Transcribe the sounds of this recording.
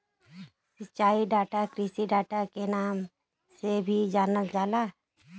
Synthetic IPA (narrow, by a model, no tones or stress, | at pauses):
sətt͡ʃaːiɖaːʈakɾisiɖaːʈakenaːm | sebʱid͡ʒaːnəld͡ʒaːla